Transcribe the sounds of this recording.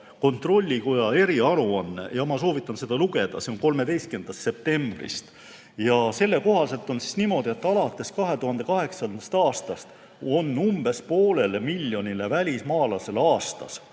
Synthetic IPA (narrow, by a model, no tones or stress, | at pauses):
ko̞nt̪ro̞lʲːiko̞jɑe̞ɾiɑɾuɑnːe̞̰jɑmɑso̞ːvit̪ːˑɑnse̞d̪ɑluɡe̞d̪̥ɑ̰se̞o̞nko̞lme̞d̪e̞jst̪kend̪̥ɑst̪se̞p̚t̪e̞mb̥rḭst̪ | jɑse̞lːe̞ko̞ɦɑse̞lt̪ːˑo̞nsi̥snimo̞d̪̥ie̞t̪ːɑlɑt̪ˑːe̞skɑɦe̞t̪uɦɑnd̪e̞kɑɦe̞ksɑst̪ɑːst̪ɑst̪ | o̞nːumb̥e̞spo̞ːle̞lemilʲːjo̞nile̞vælʲismɑːlɑse̞lɑːst̪ɑ̰s